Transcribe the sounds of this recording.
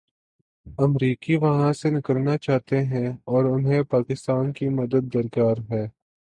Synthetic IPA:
ɐmɾiːkiʋɐɦãsenɪkəɾnat͡ʃaːt̪eɦɛ̃ɔːɾʊnɦẽpaːkɪst̪aːnkimɐd̪əd̪̚ːɐɾkaːɾɦɛː

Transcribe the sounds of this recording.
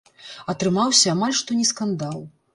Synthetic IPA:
ɐt̪ɾɨmawsʲɐːmalʲʂt̪ɔnʲɛskand̪alˠ

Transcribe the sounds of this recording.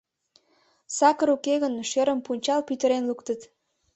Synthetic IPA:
sɑkəɾukeɣənʃeɾəmpunʲt͡ɕɑlpyt̪əɾenlukt̪ət̪

